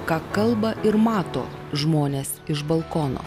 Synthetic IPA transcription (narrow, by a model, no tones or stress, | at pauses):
kɑːkɐlˠbɐʔɪɾmɑːt̪o̰ːʒmoːnʲeːsɪʒbɐlˠkoːno̰ː